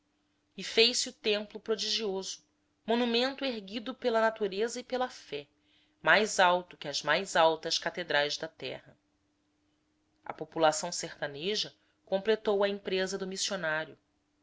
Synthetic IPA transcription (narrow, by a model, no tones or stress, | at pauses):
ifejsɪut̪ẽmplʊpɾod͡ʒiʒiozʊ | monumẽnt̪ʊeɦɡid̪ʊpelɐnat̪uɾezɐipelɐfɛ | majzawt̪ʊkɪɐzmajzawt̪ɐʃkat̪ed̪ɾajzd̪ɐt̪ɛ̰hɐ | ɐ̰populasɐ̃w̃seht̪aneʒɐ | kõmplet̪owɐĩmpɾezɐd̪ʊmisionaɾjʊ